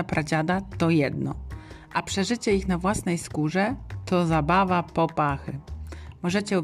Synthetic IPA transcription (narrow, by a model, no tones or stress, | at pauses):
apɾad͡ʑad̪at̪ɔjɛd̪nɔ̰ | ʔapʂɛʐɘt͡ɕɛixnavwasnɛjskuʐɛt̪ɔzabavapɔpaxɘmɔʐɛt͡ɕɛɔ